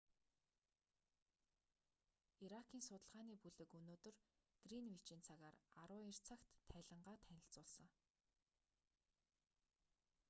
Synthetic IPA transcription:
iɾakʰiːnsʊt̪ə̆ɮʁaːniːpuɮɘ̆kɵnoːt̪ɵ̆rɡ̥rinwit͡ɕiːnt͡sʰaɣaːraɾʊːir̥t͡sʰaːkt̪ʰːæːɮə̆ɴɢaːt̪ʰænʲɪ̆ɬt͡sʊːɮsə̆ŋ

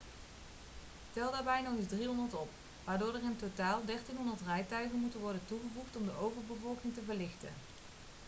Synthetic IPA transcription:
stɛlˠdaːɹbɛjnɔχɪzdriɦɔndəɹtɔp | ʋaːɹdoːɹdərɪntotaːlˠdɛɹtinɦɔndəɹtrɛjtœɥχənmutənʋɔɹdəntuχəvuχtɔmdəʔowvəɹbəvɔlˠkɪŋtəvəɹlɪχtə̰n

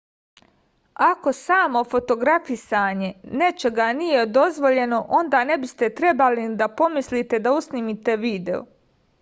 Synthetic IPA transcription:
ako̞saːmo̞fo̞t̪o̞ɡɾafisaːɲe̞ne̞t͡ʃe̞ɡanije̞d̪o̞zʋo̞ʎe̞no̞ʔo̞nd̪aːne̞bist̪e̞t̪ɾe̞balid̪apo̞mislit̪e̞d̪ausnimit̪e̞ʋiːd̪e̞̰o̰

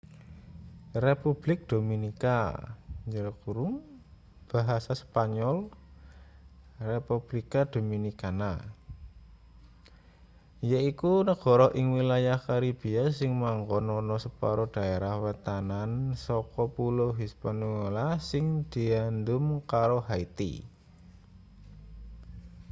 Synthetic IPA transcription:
repub̥lɪk̚d̪̥ominika̰ɲəɾkuɾʊŋ | b̥a̤ɦasaspaɲɔl | repub̥likad̪̥ominikana | jaikunəɡ̥ɔ̤ɾɔhʔɪŋwilajahkaɾib̥iasɪŋmaŋɡɔnɔnɔsəpaɾɔd̪̥a̤eɾahwət̪anansɔkɔpuloɦispanuelasɪŋd̪̥i̤and̪ʊmkaɾoɦait̪ḭ

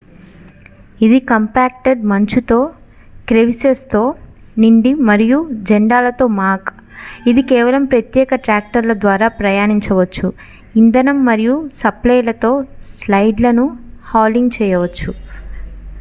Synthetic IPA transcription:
id̪ikɐmpaːk̚ʈeɖmɐɲt͡ʃut̪o̞ː | kɾeʋisest̪o̞ː | niɳɖimɐɾijud͡ʒɛɳɖaːlɐt̪o̞ːmaːk | id̪ikɛːʋɐlɐmpɾɐt̪jɛːkɐʈɾaːk̚ʈɐɾlɐd̪ʋaːɾaːpɾɐjaːniɲt͡ʃɐʋɐt͡ʃːu | ind̪ɐnɐmːɐɾijusɐplɐjlɐt̪o̞ːslɐjɖlɐnuhaːliŋɡt͡ʃɛːjɐʋɐt͡ʃːu

